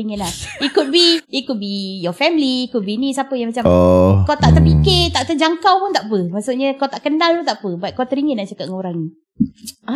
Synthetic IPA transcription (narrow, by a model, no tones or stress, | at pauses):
iŋətlahikut̪̚biːkut̪̚bijɔfɛmliːkut̪̚binisapəjaŋmat͡ʃamkawt̪aʔt̪əpiket̪aʔt̪əd͡ʒaŋkawpʊnt̪aʔpəmaʔsuʔɲəkawt̪aʔkənalpunt̪aʔpəbaʔ̪̚kat̪əɾiŋətlaht͡ʃakap̚ŋoɾaŋni | ʔa